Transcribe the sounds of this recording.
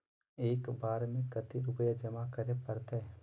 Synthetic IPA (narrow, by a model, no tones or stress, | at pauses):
eːkbaːɾmẽkɐt̪iɾʊpəjad͡ʒɐmakəɾepəɾt̪e